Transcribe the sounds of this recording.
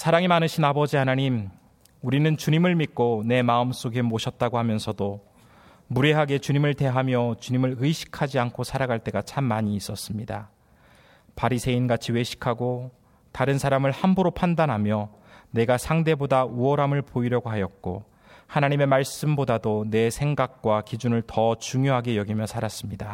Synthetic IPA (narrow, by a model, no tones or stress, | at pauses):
sʰaɾaŋimanɯɕʰinabʌd͡ʑihanaɲim | uɾinɯnt͡ɕuɲimɯɭmik͈one̞maɯms͈oɡemoɕʰʌt̚t͈aɡohamjʌnsʰʌdo | muɾeɦaɡe̞t͡ɕuɲimɯɭte̞ɦamjʌt͡ɕuɲimɯɭɯiɕʰi̥kʰad͡ʑiankʰosʰaɾaɡaɭt͈e̞ɡat͡ɕʰamːaɲiːs͈ʌs͈ɯmɲida | paɾisʰe̞inɡat͡ɕʰiwe̞ɕʰi̥kʰaɡo | taɾɯnsʰaɾamɯɭhambuɾopʰandanɦamjʌ | ne̞ɡasʰaŋde̞bodauʌɾɦamɯɭpoiɾjʌɡoɦajʌt̚k͈o | hanaɲime̞maɭs͈ɯmbodadone̞sʰe̞ŋɡak̚k͈wakid͡ʑunɯɭtʌt͡ɕuŋjoɦaɡe̞jʌɡimjʌsʰaɾas͈ɯmɲida